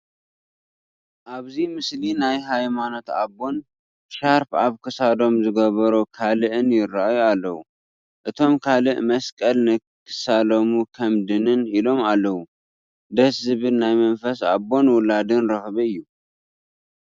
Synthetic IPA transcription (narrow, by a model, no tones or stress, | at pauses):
ʔaβzimɨslinajɦajmano̞t̪a̰bːo̞n | ʃaɾfaβkʰɨsad̪o̞mzɨɡɐβɐɾukʰalɨʔɨnjɪraʔjualːɐwu | ʔɨt̪ʰo̞mkʰalɨʔmɐskʼɐlnɨ | kʰɨ̥salomukʰɐmd̪ɨnɨnilo̞malːɐwu | d̪ɐszɨβɨlnajmɐnfɐsa̰bo̞nwʊlad̪ɨnɾɐxβɐɨjːu